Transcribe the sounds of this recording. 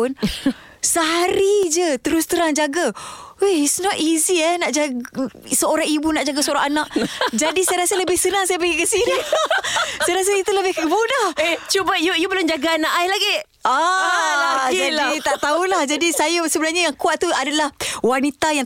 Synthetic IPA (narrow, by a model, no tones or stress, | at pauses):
ʊn | səɦaɾid͡ʒət̪əɾʊst̪əɾaŋd͡ʒaɡaeisnɔt̚iziɛnaʔd͡ʒaɡsəoɾaŋibunaʔd͡ʒaɡasəoɾaŋanaʔd͡ʒadisajɾasələbɪhsənaŋsajabəɡikəsini | sajaɾas̬əit̪uləbɪhkəbudaht͡ʃubajujubəlʊmd͡ʒaɡaːnaʔajlaɡe | a | d͡ʒalait̪aʔt̪aulahd͡ʒadisajasəbənarɲajaŋkuat̪̚t̪ːuadalahwanit̪ajaŋ